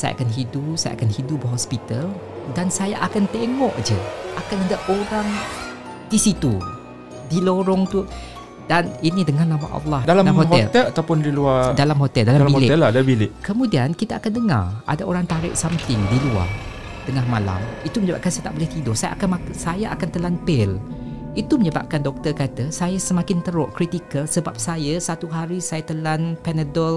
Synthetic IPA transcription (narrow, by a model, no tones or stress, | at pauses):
saja̰a̰kanɦidusaja̰a̰kanɦidubəɦospit̪al | dansajaʔakant̪eŋɔʔd͡ʒə̰ʔakanadaʔoɾaŋ | disit̪u | diloɾɔŋt̪u | daninidəŋanama̰ʔɑ̰lːɑhdalamɦohoɛlt̪ɛlat̪awpʊndiluadalamhot̪ɛldalambilɪɛladabilɪʔkəmũdiankit̪aːkandəŋa̰rʔa̰daʔoɾaŋt̪aɾɪ̰ʔsamt̪ɪŋdilua̰r | d̥əŋahmala̰mit̪uməɲəba̰p̚kansajat̪aʔbolɛht̪idɔhsaja̰ʔakanmasajaʔakant̪əlanpɪl | it̪uməɲəba̰p̚kandɔk̚t̪ərkat̪əsajasəmãkɪnt̪əɾʊʔkɾit̪ikəlsəbap̚sajasat̪uɦaɾisajat̪əlanpɛnədɔl